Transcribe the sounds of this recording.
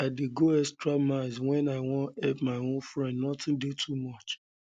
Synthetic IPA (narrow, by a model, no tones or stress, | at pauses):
aɪdeɡoɛstɾamaɪzwɛ̃naɪwɔ̃nɛpmaɪõnfɾɛ̃ndnɔtɪ̃ndetʰumɔt͡ʃ